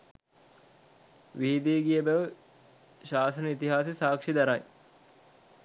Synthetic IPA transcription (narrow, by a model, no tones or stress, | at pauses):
ʋiɦid̪iɡijəbæʋə | ʃaːsɐnəit̪iɦaːsisaːkʂid̪ɐɾaj